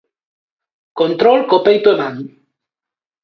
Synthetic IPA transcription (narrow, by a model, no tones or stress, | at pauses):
kont̪ɾolkopejt̪oeman